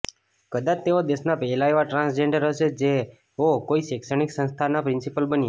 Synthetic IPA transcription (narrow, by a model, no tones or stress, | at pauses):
kəd̪at͡ʃt̪eod̪eʃnapɛlaeʋaʈɾãnsd͡ʒeɳɖəɾɦəʃed͡ʒe | okoiʃeksəñiksə̃nst̪ʰanapɾɪnsipəlbənje